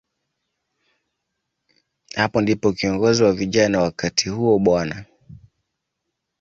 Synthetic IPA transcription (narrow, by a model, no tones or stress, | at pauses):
hapɔndipɔkiɔŋɡɔziwaviʄanawakʰatʰihuɔɓwana